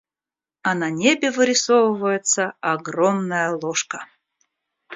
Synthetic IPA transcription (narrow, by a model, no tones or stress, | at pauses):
ɐnɐnʲebʲɪvɨɾʲɪsovəvəjɪt̪səɐɡromnəjəlˠoʂkə̥